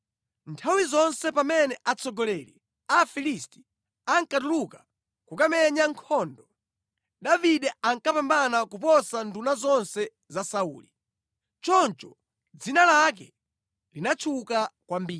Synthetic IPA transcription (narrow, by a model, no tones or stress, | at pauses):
ntʰawizɔnsɛpamɛnɛʔat͡sɔɡɔlɛli | afilisti̥ | aŋkatuluka | kukamɛɲaŋkʰɔːndɔ | ɗaviɗɛaŋkapambanakupɔsandunazɔnsɛ | zasaṵːli | t͡ʃɔnt͡ʃɔ | d͡zinalak̬ɛ | linat͡ʃʰukakwambiː